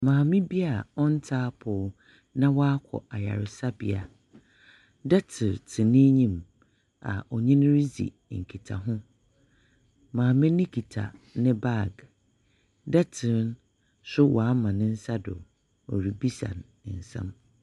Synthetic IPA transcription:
mãː˨mɪ̃˦bi˦a˨ɔ˦n̩˦tʰaː˦pʰʊ˨ | nã˦wɔ˦a˦kʰɔ̰˨a˨ja̰˨ɾɪ˨sa˦bḭ˦a˨ | dɛ˦tʰɪ˨ɾtʰɪ̃˨nĩ˦ɲĩ˦m | a̰˨ʔɔ˨ɲĩ˦ñ˦ɾi˦zḭ˨ | ŋ̩˨kʰi˨tʰa̰˨ɦʊ̃˦ | mãː˨mɪ̃˦nɪ̃˦kʰi˨tʰa̰˨nɪ̃˦ba˦˨ɡ | dɛ˦tʰɪ˨ɾn | sʊ˦wʔɔ˨a˦mã˨nɪ̃˦n̩˦sa˦dʊ̰˨ | ɔ̰˨ɾi˨bi˦sã̰˨n˨ | n̩˨sã̰˦m

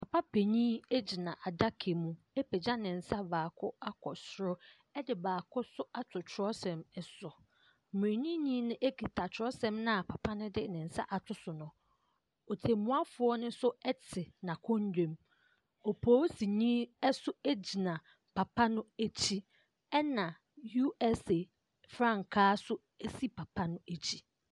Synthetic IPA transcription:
pʰa˨pʰa˦pʰe˨ɲĩː˦e˦d͡ʑi˨nã˨ʔa˨da˦kʰe˨mũ˦ | e˦pʰɛ˨d͡ʑã˦nɪ̃˨n̩˨sa˦baː˨kʰʊ˦a˦kʰɔ˨sɾʊ˦ | ɛ˦dɪ˨baː˨kʰʊ˦sʊ˦a˦tʰʊ˨t͡ɕʰɾɔ˦sɛ̃˨mɛ˦˨sʊ˨ | m̃˨e˨ɲĩ˦ɲĩ˦nʊ̃˦ʔe˦kʰi˨tʰa˨t͡ɕʰɾɔ˦sɛ̃˦mnʊ̃˦a˨pʰa˨pʰa˦nʊ̃˦dɪ˦nɪ̃˨n̩˨sa̰˦ʔa˨tʰʊ˦sʊ˨nʊ̃˨ | ɔ˨tʰe˨mʊ̃˨˦a˦fʊ˨ɔ˦nʊ̃˦sʊ˦ɛ˦tʰɪ˨nã˨kʰɔ̃˦ɲ˦dᶣẽ˦m | ɔ˨pʰɔː˦si˨ɲĩː˦ɛ˦sʊ˦æ˦d͡ʑi˨nã˨ | pʰa˨pʰa˦nʊ̃˦æ˦t͡ɕʰi˦ | ɛ˦nã˨ | ju˦ɛ˦se˨ | fɾã˦˨ŋ˨kʰaː˦sʊ˦ | e˦si˦pʰa˨pʰa˦nʊ̃˦e˨t͡ɕʰi˦

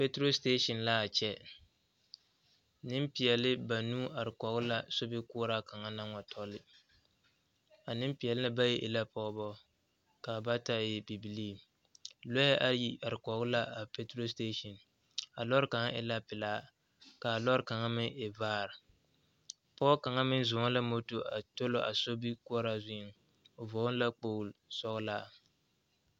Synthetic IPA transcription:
pe˦tɾo˦ste˦ʃɔ˨nla˦a˨t͡ʃɛ˦ | nɪ˦mpi˨jɛ˨lɪ˦ba˨nuː˦a˨ɾɪ˨kɔ˨ɣʊ˦la˦sʊ˦bɪ˦kʊ˦ɾa˦ka˨ŋa˦na˦ŋa˨tʰɔ˦lɪ˦ | a˨nɪ˦mpi˨ɛ˨lɪ˦nɨ˦ba˦jɛ˦ʔɪ̰˨la˦pɔ˦bɔ˦ | ka˨ba˦ta˦˨jɛ˨bi˨bi˨liː˦˨ | lɔ˦a˦ʔa˨˦ji˦a˨ɾɪ˨kɔ˨ɡʊ˦la˦a˨pe˦tɾo˦s̬te˦ʃɔ˨n | a˨lɔ˦ɾɨ˦ka˨ŋ˦ʔɪ̰˦la˦pɪ˨laː˦ | ka˨lɔ˦ɾɨ˨ka˨ŋa˦mɪ˦e˨vaː˦˨ɾɪ˨ | pɔ˦ka˨ŋa˦mɪ˦n˦zʊ˨ŋa˦la˦mo˦to˨ʔa˨to˦lo˨ʔa̰˨so˦bi˦ku˦ɔ˦ɾa˦zɪ˦ŋ˨ | voː˨˦la˦k͡po˨lsɔ˦ɣla˦˨

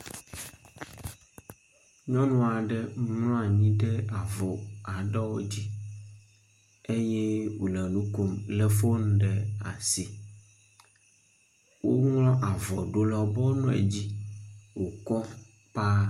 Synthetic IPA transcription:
ɲɔ̃˦nũ˦˨a˨ɖɛ˦ŋlɔ̃˦a˨ɲĩ˦ɖɛ˦a˨vɔ˨a˨ɖɔ˦wo˦d͡ʑi˦ | e˦jɛ˦wṵ˨lɛ̃˨nũ˦ko˨mlɛ˦fo˦ñ˦ɖɛ˨a̰˨si˨ | wo˦ŋlɔ̃˦ʔa˨vɔ˨ɖo˦lɔ˨bɔ˦nũ˦ḛ˨d͡ʑi˦wo˨kɔ˦ | pa˦

